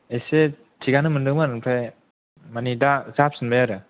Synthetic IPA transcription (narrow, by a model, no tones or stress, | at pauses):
ese | tʰiɡanɯmɯndɯmanɯnpʰaj | manidazap̚sɯnbajaɾɯ